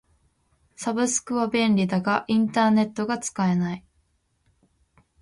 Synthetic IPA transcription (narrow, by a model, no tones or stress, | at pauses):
sabɯ̟sɨ̥kɯ̟βabẽ̞nɾʲid̪aɡaʔĩnt̪aːne̞t̪ːo̞ɡat͡sɨ̥kae̞nai